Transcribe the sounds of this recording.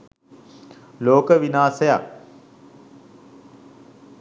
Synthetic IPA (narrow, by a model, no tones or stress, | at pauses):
loːkəʋinaːsəja̰k